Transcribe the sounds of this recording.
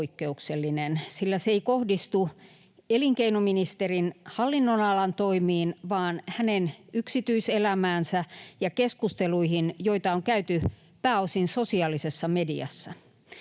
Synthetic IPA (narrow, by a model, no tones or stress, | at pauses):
ikːeukselːinensilːæseikohdist̪u | eliŋkeinominist̪erinhɑlːinːonɑlɑnt̪oimiːnʋɑːnhænenyksit̪yiselæmæːnsæjɑkeskust̪eluihinjoit̪ɑoŋkæyt̪y | pæːosinsosiɑːlisesːɑmediɑ̰sːɑ